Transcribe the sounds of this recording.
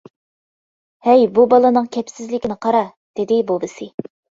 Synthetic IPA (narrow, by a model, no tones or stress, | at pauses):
hɛjbubɑlˠɨnɨŋkʲʰɛpsɪzlɪkʲinɪqʰɑɾɑ | d̪̥ɪd̪ɪbobɨsɨ